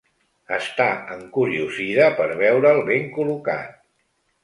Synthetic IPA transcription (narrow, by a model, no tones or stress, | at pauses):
əst̪aəŋkuɾiuziðəpəɾβɛwɾəːlˠβeŋkuluka̰t̪̚